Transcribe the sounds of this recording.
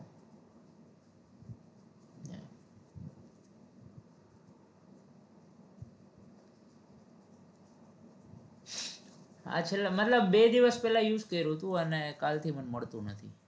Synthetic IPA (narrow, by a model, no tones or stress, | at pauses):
nḛ | a̰t͡ʃʰelamət̪ləbːed̪iʋəspɛlajuzkəiɾɦot̪ũənekalt̪ʰimənməɽt̪ũnət̪ʰḭ